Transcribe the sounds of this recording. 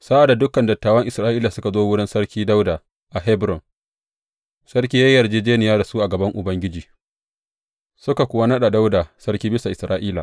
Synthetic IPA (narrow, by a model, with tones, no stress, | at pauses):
sa˦ʔa˨da˨dʊ˦kːɐ˨ndɐ˨tːaː˨wɐ˦ŋʔɪ˨sɾaː˦ʔiː˦la˨sʊ˦ka˨zoː˦wʊ˦ɽɪ˦nsɐ˦rkʲiː˦da˦wda˨ | ʔa˨ɦɛ˦bɾɔ˨n | sɐ˦ɾkʲiː˦jɐ˦jːɐ˨rd͡ʒeː˦d͡ʒeː˦nɪ˨jaː˦da˨suː˦ʔa˨ɡɐ˨bɐ˦ŋʔʊ˨bɐ˦ŋɡʲɪ˦d͡ʒiː˨ | sʊ˦ka˨kʷʊ˦wa˦nɐ˦ɗa˨da˦wda˨sɐ˦ɾkʲiː˦bɪ˦sa˨ʔɪ˨sɾaː˦ʔiː˦la̰˨